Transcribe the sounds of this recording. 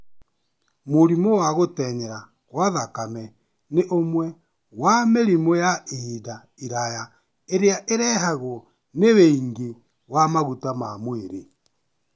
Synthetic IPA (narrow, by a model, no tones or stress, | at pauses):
moɾimowaɣotɛɲɛɾa | ɣwaðakamɛ | neʔomwɛ | wameɾimojaehida | iɾaja | eɾeaʔeɾɛɦaɣoɔ | neweiŋɡe | wamaɣutamamweɾe